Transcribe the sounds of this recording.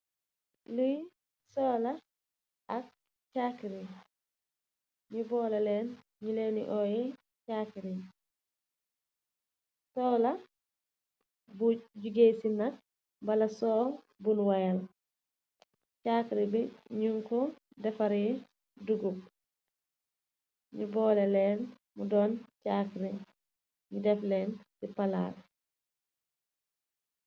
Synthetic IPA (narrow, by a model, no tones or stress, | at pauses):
luj | sɔːla | ɐk̚ | caːkiɾi | ɲubɔːlɐlɛn | ɲuleːnḭʔɔjɛ | cakiɾi | sɔːla | buɟuɡesinɐk̚ | bɐlɐsɔː | bunwɐjɐl | caːkɾibiɲuŋkɔ | dɛfɐɾi | duɡup̚ | ɲubɔːlɛlɛːn | mudɔːncakɾi | ɲudɛflɛːnsipɐla̰ːl